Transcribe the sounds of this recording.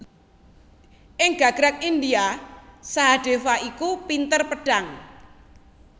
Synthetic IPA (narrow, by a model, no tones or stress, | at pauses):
ʔɪŋɡ̥a̤ɡ̥ɾak̚ind̪iasaɦaɖ̥efaikupint̪ərpəɖ̥aŋ